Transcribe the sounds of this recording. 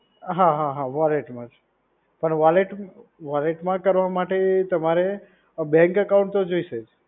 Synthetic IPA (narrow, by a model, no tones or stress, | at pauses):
ɦãɦãɦãʋaleʈmãd͡ʒ | pəɳʋaleʈʋaleʈmãkəɾʋamaʈet̪əmaɾe | bɛ̃ŋkəkaw̃ɳʈt̪od͡ʒoiʃed͡ʒ